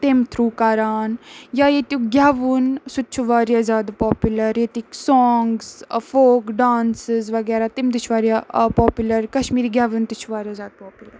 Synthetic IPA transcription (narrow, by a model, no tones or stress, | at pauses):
t̪emt̪ʰɾuːkaːɾaːnjajet̪juɡʲaːʋunsutːt͡ʃʰuʋaːɾjazjaːd̪pɔːpjulɐɾjet̪iksɔːŋɡzfoːkɖaːnsɪzʋɐɡɛːɾat̪imd̪ɪt͡ʃʰʋaːɾijapɔːpjulɐɾkɐʃmiːɾiɡjaːʋunt̪it͡ʃʰuʋaːɾijazʲaːd̪̚pɔːpʊləɾ